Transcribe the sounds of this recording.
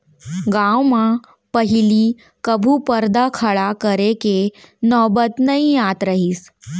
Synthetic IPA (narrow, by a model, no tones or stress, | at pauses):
ɡãwma | pəɦiliː | kəbʱuːpəɾd̪akʰaɭakəɾekenɔbət̪nəijat̪ɾəɦiːs